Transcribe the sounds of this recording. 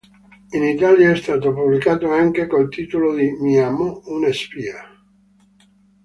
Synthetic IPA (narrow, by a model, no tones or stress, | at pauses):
init̪aːljaɛst̪aːt̪opublikaːt̪oaŋk̟ekolt̪iːt̪olod̪imiamounespia